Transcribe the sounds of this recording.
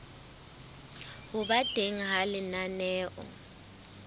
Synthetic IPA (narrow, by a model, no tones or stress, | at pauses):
hʊɓad̥ʱeŋ̩ɦalɪnanɛːʔɔ̰